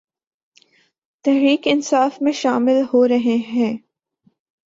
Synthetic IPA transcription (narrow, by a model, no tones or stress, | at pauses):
t̪ɛɦɾiːkɪnsaːfmẽʃaːmɪlɦoɾɐɦeɦɛ̃ː